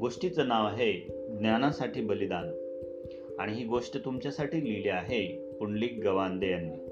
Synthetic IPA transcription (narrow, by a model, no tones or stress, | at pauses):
ɡoʂʈit͡sənaʋaɦe | ɡnjanasaʈʰiːbəlid̪an | aɽ̃iɦiːɡoʂʈət̪umt͡ɕjasaʈiːliliaɦe | puɳliːk̚ɡəʋand̪ejanːiː